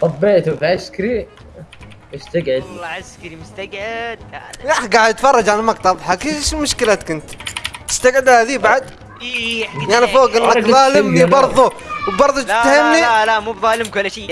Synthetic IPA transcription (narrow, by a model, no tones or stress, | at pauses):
t̪ˤɑbːeʕt̪ufiʕaskɾi | wɪst̪aɡʕɪd̪ʕaskɾimʊst̪aɡʕɪd̪̚aaħɡaʕd̪at̪fɑrˤːɑd͡ʒʕalamakt̪ɑbħakeʃmʊʃkɪlaːt̪kʊnt̪t̪ɪ̥st̪aɡʕɪd̪haðibaʕad̪ | jaʕnifoːɡʔɪnːaðˤɑːlɪmibɑɾˤðˤu | wbɑɾˤðˤut͡ʃ̪ːahamnilamuːbðˤɑːlɪmkʊlːʃi